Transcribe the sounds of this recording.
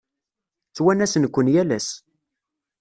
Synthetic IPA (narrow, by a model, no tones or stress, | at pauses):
t͡sːwænæsənkʷːənjælæs